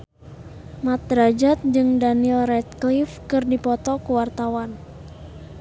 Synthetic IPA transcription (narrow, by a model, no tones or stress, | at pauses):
mat̪̚ɾad͡ʒat̪̚d͡ʒɨŋdanilrɛt̪̚klifkɨrdipɔt̪ɔkuwart̪awan